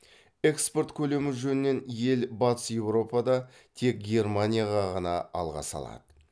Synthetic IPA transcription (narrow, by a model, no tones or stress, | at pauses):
e̞kspo̞rt̪kʲʰɵle̞mɪʒɵnɪne̞nje̞lbɑt̪ə̥sje̞wro̞pɑd̪ɑ | t̪ʰe̞k̚ɡʲe̞rmanʲijaʁɑʁɑnɑɑ̰lˠʁɑ̰sɑ̰lˠɑ̰d̪ə